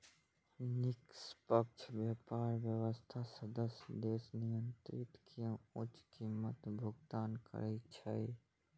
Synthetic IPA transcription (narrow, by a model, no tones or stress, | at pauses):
nɪkspək̚t͡ʃʰʋjaːpaːɾʋjəʋəst̪ʰasəd̪əsd̪eːsnɪjənt̪ɾɪt̪kijə̃ʊt͡ʃkimːət̪bʱʊɡt̪aːnkə̰ɾɛt͡ʃʰəi